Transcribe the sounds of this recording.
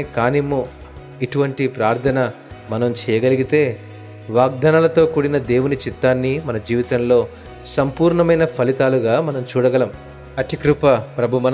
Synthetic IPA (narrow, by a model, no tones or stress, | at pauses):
kaːnimu | iʈuʋɐɳʈipɾaːɾt̪ʰɐnɐ | mɐnɐmt͡ʃɛːjɐɡɐliɡit̪e̞ː | ʋaːɡ̚d̪ʱɐnɐlɐt̪o̞ːkuːɽinɐd̪e̞ːwunit͡ʃit̪ːaːnːimɐnɐd͡ʒiːʋit̪ɐmlo̞ː | sɐmpuːɾɳɐmɐjnɐpʰɐlit̪aːluɡaːmɐnɐmt͡ʃuːɽɐɡɐlɐm | ɐt̪ikɾupɐpɾɐbʱumɐn